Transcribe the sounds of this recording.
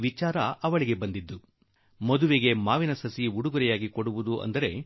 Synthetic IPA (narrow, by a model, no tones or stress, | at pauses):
ʋit͡ʃaːɾɐʔɐʋɐɭiɡe̞bɐnd̪id̪ːu | mɐd̪uʋeɡe̞maːʋinɐsɐsiuɽuɡuɾɛjaːɡikoɽuʋud̪uʔɐ̰nd̪ɐɾe̞